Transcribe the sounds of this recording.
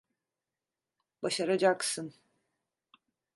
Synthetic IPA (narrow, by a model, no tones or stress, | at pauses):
baʃaɾad͡ʒaksɯn